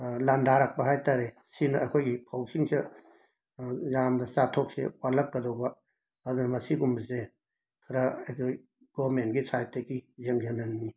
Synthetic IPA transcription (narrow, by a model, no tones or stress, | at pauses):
landaɾak̚pɐɦajtaɾe | sinɐɐjkʰojɡipʰawsʰiŋse | zamdɐsatʰok̚sḛwalɐkːɐdowbɐ | ɐdunɐmɐsiɡumbɐse | kʰɐɾɐɐkʰoj | ɡ̥ɔmentɡisʰajtekizeŋzenɐnːi